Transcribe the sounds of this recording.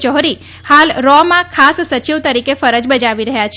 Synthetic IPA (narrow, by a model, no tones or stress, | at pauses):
t͡ʃɔɦɾi | halɾɔmãkʰasːət͡ʃiʋt̪əɾikefəɾəd͡ʒbəd͡ʒaʋiɾəɦjat͡ʃʰ